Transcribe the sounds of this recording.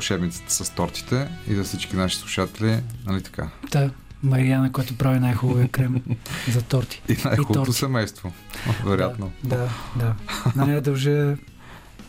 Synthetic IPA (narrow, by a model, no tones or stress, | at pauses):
ʊʃɛbnit̪si̥t̪ɛ̥sɐst̪ɔɾt̪i̥t̪ɛizɐfsit͡ʃk̟inaʃi̥slˠuʃat̪ɛlinɐlit̪ɐ̥ka̰t̪a | mɐɾianɐkɔjt̪ʊpɾavinajxubɐviəkɾɛmzɐt̪ɔɾt̪i̥inajxuɔɾosɛmɛjst̪vo | vɛɾojat̪nod̪ad̪annɛd̪oʒɛ